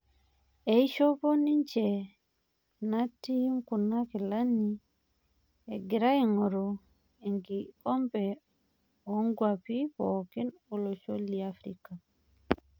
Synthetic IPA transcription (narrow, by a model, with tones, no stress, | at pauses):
e˨i˦ʃo˦po˦ni˦ɲt͡ʃɛ˨ | na˦ti˦ŋku˨na˦ki˨la˦ni | e˨ɡi˨ɾa˦i˨ŋɔ˨ɾo | i˨ŋɡi˨kɔ˦mbɛ | ɔ˦ŋɡwa˨pipɔki˦nɔ˨lo˨ʃo˦liafɾika˨